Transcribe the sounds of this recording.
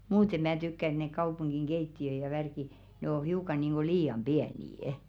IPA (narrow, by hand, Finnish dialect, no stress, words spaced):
muːte mæː tykːæ ĕt nek kɑupuŋɡ̊iŋ ɡ̊eitːiø jɑ ʋærki ne o hiukɑ niːŋɡ̊o liːɑm b̥iæniːə̆